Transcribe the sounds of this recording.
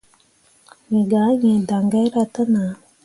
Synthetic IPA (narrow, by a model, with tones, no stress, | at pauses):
ɲi˨ɡa˨˦ɲe˨da˨ŋɡa˦ɾa˧ta˦na˨˦